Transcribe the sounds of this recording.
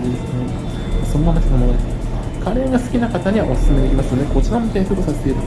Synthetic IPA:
esno | aso̞nomamat̪esono | kʰaɾe̞ɡasɨ̥kʲinakat̪aɲ̟iβaʔosɨ̥sɨmeekʲimasɨjoneko̞t͡ɕiɾamoit̪esokosaset̪eɾɯ

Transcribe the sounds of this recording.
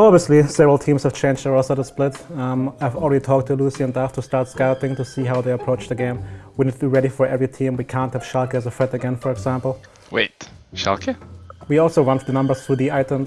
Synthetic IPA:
ɑbviəslisɛvəɹl̩ˠtʰĩmz̥hɨv̥t͡ʃʰẽɪ̃nd͡ʒəɹɔsəɾəsplɪtaɪvl̩ˠɹɛɾitʰɔk̚tʰɨlusiɨ̃nlæftʰustɑɹtskalpɪ̃ŋtɨsiːɦaʊðeɪəpʰɹ̥oʊt͡ʃðɨɡẽɪ̃mwinidtʰɨdiɹɛɾifə˞ʔɛvɹitʰĩmwikʰæ̃nt̚hɨv̥ʃælˠkəɨzəfɹɛɾɨɡɛ̃nfə˞ɨɡzæ̃mpl̩ˠ | wḛɪt | ʃa̰lˠkʰəwiɔlˠsoʊɹʌ̃nðənʌ̃mbə˞z̥θɹuðiaɪtə̃m

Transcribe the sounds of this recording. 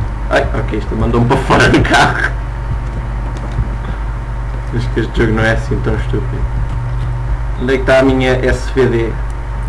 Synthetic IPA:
a̰jɔkeiʃt̪ɐmɐ̃nd̪ompɾɐfɔɾɐðukʰaʁu | ɐʃkeʃt̪ʒoɣnɐ̃w̃ɛɐsĩẽnt̪ɐ̃w̃ʃt̪upið | lejk̚t̪aamĩɲɐʔɛsveðe

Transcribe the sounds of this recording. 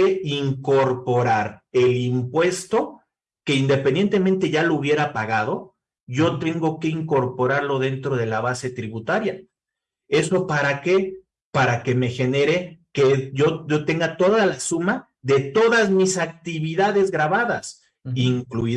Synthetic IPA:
eiŋko̞ɾpo̞ɾaɾe̞limpwe̞st̪o̞ | ke̞ind̪e̞pend̪je̞nt̪e̞ment̪e̞ʝalouβje̞ɾapaɣað̞o̞ | ʝo̞t̪e̞ŋɡo̞ke̞iŋko̞ɾpo̞ɾaɾlo̞ðe̞nt̪ɾo̞ð̞e̞laβase̞t̪ɾiβut̪aɾja | e̞so̞paɾake̞ | paɾake̞me̞xe̞ne̞ɾe̞keʝo̞ot̪e̞ŋɡat̪o̞ðalasuma | ðe̞t̪o̞ðazmisak̚t̪iβiðaðe̞zɣɾaβaðas | iŋkluið

